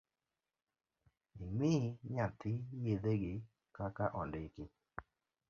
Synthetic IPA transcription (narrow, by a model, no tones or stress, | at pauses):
ɪmɪɲat̪ɪjeðeɡɪ | kakaʔɔndɪkɪ